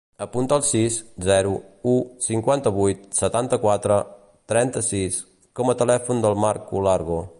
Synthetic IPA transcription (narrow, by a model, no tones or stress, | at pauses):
əpunt̪əlˠsiszɛɾuusiŋkwant̪əβujt̪̚sət̪ant̪əkwat̪ɾə | t̪ɾɛnt̪əsis | kɔmət̪əlɛfund̪əlˠmaɾkṵlaɾɣo